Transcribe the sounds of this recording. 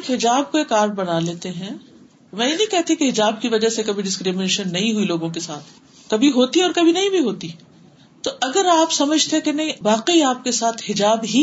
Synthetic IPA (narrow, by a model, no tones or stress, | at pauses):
kɦɪd͡ʒaːb̚koeːkaːɾbɐnaleːt̪eɦɛ̃ | mɛ̃ːjenɐ̃ĩkɛɦt̪ĩkeɦɪd͡ʒaːb̚kiʋɐd͡ʒasekɐbʱiɖɪskɾimɪneːʃənːɐɦĩɦuiloːɡõkesaːt̪ʰ | kɐbʱiɦoːt̪iɔːɾkɐbʱinɐɦĩbʱiɦoːt̪i | t̪oʔɐɡəɾaːpsɐməd͡ʒʱt̪ekenɐɦĩʋaːqeiaːp̚kesaːt̪ʰhɪd͡ʒaːbɦi